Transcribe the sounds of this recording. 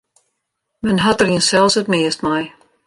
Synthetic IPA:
mɛnɦatəriənsɛlˠsətmɪəst̚maj

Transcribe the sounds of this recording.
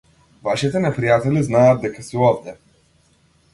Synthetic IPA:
vaʃit̪ɛnɛpɾijat̪ɛliznaad̪ːɛkasiɔbdɛ

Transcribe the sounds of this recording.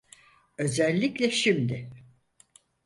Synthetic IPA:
ø̞zɛlʲːiclʲɛʃimd̪ɪ

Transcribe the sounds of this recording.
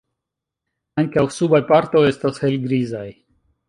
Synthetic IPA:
aŋkawsubajpaɾt̪o̞e̞stashe̞lɡɾizaj

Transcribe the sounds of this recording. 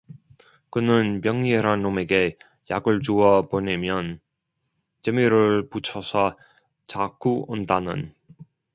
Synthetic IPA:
kɯnɯnpjʌŋɲieɾanːome̞ɡe̞ | jaɡɯɭt͡ɕuʌponemjʌn | t͡ɕemiɾɯɭput͡ɕʰʌsʰʌ | t͡ɕak͈ʰuondanɯ̰n

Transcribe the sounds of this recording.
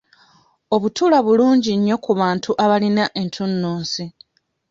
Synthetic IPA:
o̞βutuːlaβuluːɲɟiɲːo̞kuβaːntʰuʔaβalinaʔe̞ntʰunːuːnsi

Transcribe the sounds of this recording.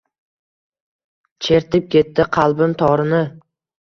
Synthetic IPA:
t͡ʃʰe̞ɾt̪ɪp̚kʲe̞t̪ːɪqʰɑlˠbɪmt̪ʰɒɾɪnɪ

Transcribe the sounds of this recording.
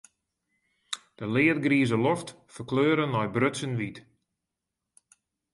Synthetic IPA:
d̥əlɪːət̚ɡriəzəlɔft | fərkløːɾənːɔjbrøsənʋit

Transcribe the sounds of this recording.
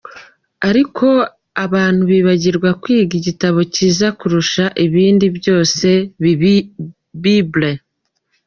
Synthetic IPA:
aɾikʰo̞ | aβaːn̥huβiːβaɟiɾɡwakwiːɡiɟitaβo̞ciːzakuɾuʃaʔiβiːndibjo̞ːse̞ | βible

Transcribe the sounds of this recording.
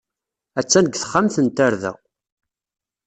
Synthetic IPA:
æt͡sːænəɡθə̥χːamθənt̪aɾðæ̰ʁ

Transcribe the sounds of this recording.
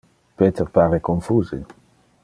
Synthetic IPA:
peːt̪eʁpaːɾekoɱfuːze

